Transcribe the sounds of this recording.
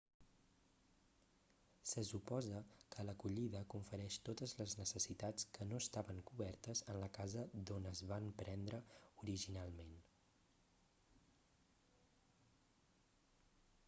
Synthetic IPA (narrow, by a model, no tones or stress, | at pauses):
səsupɔzəkələkuʎiðəkuɱfəɾɛʃt̪ot̪əzləznəsəsit̪at͡skənoəst̪aβəŋkuβɛrt̪əzənləkazəd̪onəzβampɾɛnd̪ɾəuɾiʒinalˠmen